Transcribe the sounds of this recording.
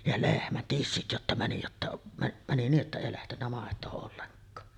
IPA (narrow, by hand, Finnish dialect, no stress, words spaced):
jɑ lehmæn tisːit jotːɑ mæni jotːɑ mæ mæni niːʔ ʔetːæ eˑi læhtenːæ mɑˑetˑoː olːeŋkˑɑː